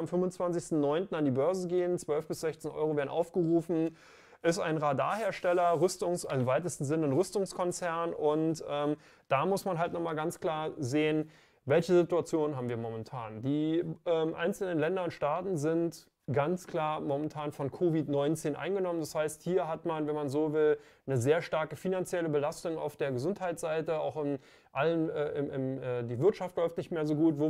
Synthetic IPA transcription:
amfʏmvʊnt͡sv̥ant͡sɪçstn̩nɔʏntn̩andiːbœɐzəɡeːənt͡sv̥œlfb̥ɪsz̥ɛçt͡seːnʔɔ̰ʏʁ̞oveːɐdnʔa̰ʊfɡ̥əʁuːfn̩ | ʔɪstʔa̰ɪnʁada̰ːɐheːɐʃtɛlɐʁʏstʊŋsɪmvaɪtəstn̩zɪnəʊnʁʏstʊŋskʰɔnt͡sɛɐnʔʊntʔɛːm | d̥aːmʊsmanɦaltnɔχmaːlɡant͡skl̥aːɐzeːən | vɛlçəzɪtuat͡sjoːnənɦaːbm̩viːɐmɔmɛntʰa̰ːndiːʔɛːmʔa̰ɪnt͡sl̩nənlɛndɐʊntʃtaːtn̩zɪnt | ɡ̥ant͡skl̥aːɐmɔmɛntʰaːnfɔnkʰovɪtnɔʏnt͡seːnʔa̰ɪnɡənɔməndashaɪsthiːɐɦatmanvɛnmanzoːvɪl | nəzeːɐʃtaɐkəfinant͡sjɛləbəlastʊŋa̰ʊfd̥eːɐɡəzʊnthaɪtz̥aɪtəaʊxɪm | ʔalənɛːʔɪmʔɪmɛːdiːvɪɐtʃaftlɔʏftnɪçtmeːɐzoːɡuːtvoː

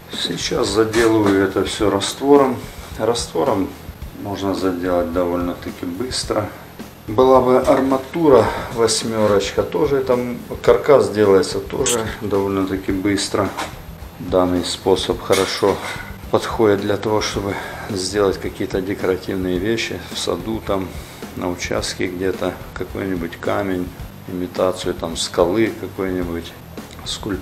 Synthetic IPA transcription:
sʲɪt͡ɕːaszɐdʲe̞lˠɨvəjʊɛt̪əfsʲɵɾɐst̪vo̞ɾəmrɐst̪vo̞ɾəmːo̞ʐnəzɐdʲe̞lˠət̚ʲd̪ɐvolʲnət̪ɐkʲibɨst̪ɾə | bɨlˠabɨʔɐrmɐt̪uɾəvɐsʲmʲo̞ɾət͡ɕkət̪o̞ʐɨɛt̪əkɐrkasdʲe̞lˠəjɪt̪sət̪o̞̰ʐɨd̪ɐvo̞lʲnət̪ɐkʲibɨst̪ɾə | d̪anːɨjspo̞səpxəɾɐʂo̞pɐt̪xo̞dʲɪt̪̚d̪lʲɐt̪ɐvo̞ʂt̪o̞bɨzʲdʲe̞lˠətʲkɐkʲijət̪ədʲɪkɐɾɐtʲivnɨjəvʲeɕːɪ̰fsɐ̰d̪ut̪am | nəʊt͡ɕa̰st̪kʲɪɡdʲet̪ə | kɐko̞jnʲɪbʊtʲkamʲɪnʲ | ɪmʲɪt̪at̪sɨjʊt̪amskɐlˠɨkɐko̞jnʲɪbʊtʲ | skʊlʲp

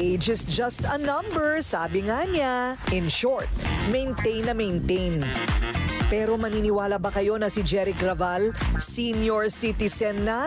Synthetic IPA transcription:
ed͡ʒɪsd͡ʒɐst̪ɐnɐ̃mbɛɹsaːbɪŋaɲaʔɪ̃nʃɔɹt̪̚mɛ̃jnt̪ẽjnːɐmejnt̪ejn | pɛːɾo̞mɐniːnɪwaːlɐbɐkɐjo̞nɐsɪd͡ʒɛɾɪkɾɐvalsinjoɹsit̪ɪsɛnːɐ

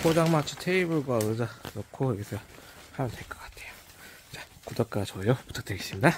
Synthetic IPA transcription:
kod͡ʑaŋmat͡ɕʰo̥tʰeibɯɭɡwaɯd͡ʑanokʰojʌɡesʰʌhamjʌntʰeɭk͈ʌk͈ḁtʰe̞jo̥ | t͡ɕḁkudʌk͈at͡ɕʌjopu̥tʰḁk̚t͈eɡeɕ͈imɲida

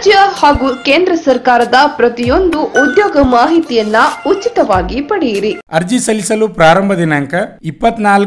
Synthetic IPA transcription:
d͡ʒjɐhaːɡukeːnd̪ɾɐsɐɾkaːɾɐd̪ɐpɾɐt̪ijo̞nd̪uʔud̪joːɡɐmaːɦit̪ijɐnːɐutːt͡ʃːit̪ɐʋaːɡipɐɽijiɾiɐɾd͡ʒisɐlisɐlupɾaːɾɐmbʱɐd̪inaŋkɐipːɐt̪ːnaːl

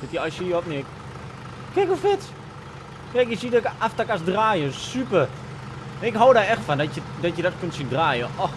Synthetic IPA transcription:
d̥ɔtjəɔsjiɔpnɪk | kɛkufɪt | kɛkjəsidɔkəʔaftakasdraːjəsypər | nɪkɦowdaɛxtfandɔjədɔtjədɔtkøntsindraːjəʔɔx

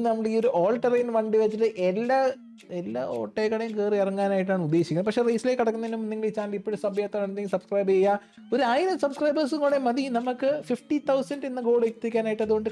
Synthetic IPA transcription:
nɐmːɐɽioɾuʔoːlʈɐrɐjnʋɐɳɖiʋɐt͡ɕːiʈːɨʔelːa | elːa̰ːo̰ːʈːeːkːɐɽejumkeːrɨirɐŋːaːnaːjiʈ̬ːaːɳud̪ːeːɕikʲːɐnːɐmpɐkʂerejsilekːɐɽɐkːunːɐnːumnːiŋːɐɭit͡ɕːaːnlipːoɽusɐbɐjaːt̪ːɐɐɳɲɐŋɡsɐbskrɐjbejːaː | o̞ɾuaːjiɾɐsɐbskrɐjbɐrs̬ɨŋuːɽemɐðinɐmukːɨfifʈit̪ʰɐwsɐndenːɐɡo̞ːɽekt̪ːikʲːaːnaːjiʈːɐðuɣo̞ɳɖɨ

